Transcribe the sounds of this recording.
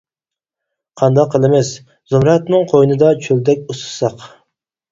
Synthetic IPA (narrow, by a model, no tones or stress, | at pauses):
qʰɑnd̪ɑqʰːəlˠɪmɛs | zumɾɑt̪nɨŋqʰojnɨd̪ɑt͡ʃʰøld̪ɛkʲust̪ʰɨ̥sɑq